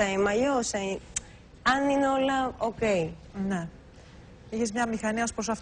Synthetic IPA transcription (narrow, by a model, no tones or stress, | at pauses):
ɐimɐjosɐi | ɐnineo̞lɐokeine | içezmɲɐmixɐniɐospɾosɐf